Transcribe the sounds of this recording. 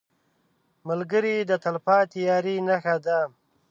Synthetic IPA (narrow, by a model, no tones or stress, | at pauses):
məlɡəɾid̪ət̪alafɑt̪jɑːɾinaxad̪a